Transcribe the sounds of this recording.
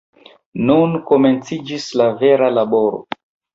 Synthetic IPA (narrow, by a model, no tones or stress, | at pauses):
nunkome̞nt͡sid͡ʒislave̞ɾalabo̞ɾo̰